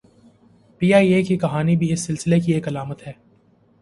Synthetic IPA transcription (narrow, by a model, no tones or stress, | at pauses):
piːaːieːkikɐɦaːnibʱiɪsːɪlsɪlekieːkɐlaːmət̪ɦɛː